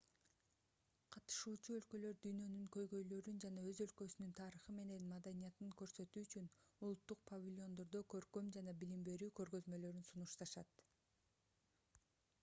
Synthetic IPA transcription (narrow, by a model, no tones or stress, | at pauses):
qʰɑt̪ɯ̥ʃuːt͡ʃuø̞lkø̞lø̞ɾd̪yjnø̞nyŋkø̞jɡø̞jlø̞ɾynd͡ʒɑnɑø̞zø̞lkø̞synynt̪ʰɑɾɯχɯme̞ne̞nmad̪anijɑt̪ɯŋkø̞ɾsø̞t̪yːyt͡ʃynulˠut̪ːuq̚pʰɐvʲilʲo̞nd̪o̞ɾd̪okø̞ɾkø̞md͡ʒɑnɑbilimbe̞ɾyːkø̞ɾɡø̞zmø̞lø̞ɾynsunuʃt̪ɑʃɑt̪